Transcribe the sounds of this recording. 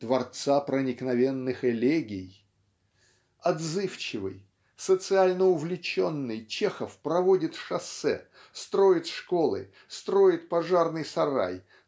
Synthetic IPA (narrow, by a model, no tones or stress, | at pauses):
d̪̥vɐrt̪sapɾənʲɪknɐvʲenːɨxɛlʲeɡʲɪj | ɐd̪zɨft͡ɕɪvɨ̰j | sət̪sɨalʲnəʊvlʲɪt͡ɕonːɨjt͡ɕexəfpɾɐvodʲɪt̪ʂɐsɛ̰ | st̪ɾo̞ɪt̪ʂko̞lˠɨ̰ | st̪ɾo̞ɪt̪̚pɐʐarnɨjsɐɾa̰j